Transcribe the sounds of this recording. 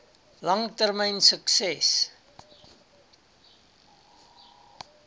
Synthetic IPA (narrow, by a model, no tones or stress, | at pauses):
lɐŋtərməjnsəksɛs